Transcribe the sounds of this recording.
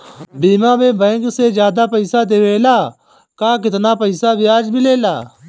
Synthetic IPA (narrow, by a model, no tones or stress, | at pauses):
biːmãːbẽːbɛ̃ːŋkseːzjaːd̪aːpəiːsaːd̪eʋeːlaː | kãːk̬ɪt̪naːpəisaːbɪaːd͡ʒmɪleːlaː